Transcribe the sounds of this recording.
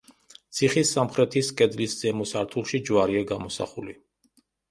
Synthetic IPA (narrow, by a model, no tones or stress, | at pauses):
t̪sʰiχisːamχɾɛt̪ʰiskʼɛd̪lisd̪z̥ɛmɔsaɾt̪ʰulˠʃid͡ʒvaɾiaɡamɔsa̰χuli